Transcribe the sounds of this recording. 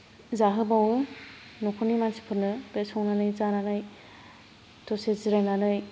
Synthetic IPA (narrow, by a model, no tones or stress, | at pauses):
zaɦɯbawɯ | nokʰonimansi̥pʰɯɾnɯbesɔwnanɯjzananɯj | tɔseziɾananɯj